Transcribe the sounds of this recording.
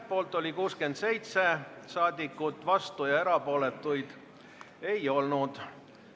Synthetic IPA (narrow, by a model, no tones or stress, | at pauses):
po̞ːlt̪ːˑo̞lʲikuːske̞nd̪̥se̞jt̪se̞sɑːd̪̥ʲikːˑut̪ːˑvɑst̪ujɑe̞ɾɑpo̞ːle̞t̪ːˑujd̪̥ | e̞jo̞lnud̪̥